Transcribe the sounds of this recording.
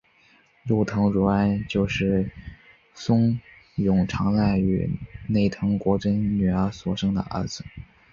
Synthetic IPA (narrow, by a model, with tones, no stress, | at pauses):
ɻu˥˩t̪ʰɤ˧˥ŋɻu˧˥a˥nt͡ɕjo˥˧ʊʂɻ̩˥˩ | sʊ˥ŋ | jʊ˨˩ŋʈ͡ʂʰɑ˧˥ŋla˥˩ɪy̰˨˩ne˥˩ɪt̪ʰɤ˧˥ŋkwɔ˧˥ʈ͡ʂə˥nny˨˩ə˞˧˥swɔ˨˩ʂɤ˥ŋd̪ə̰˨ʔə̰˧˥d͡zɹ̩˧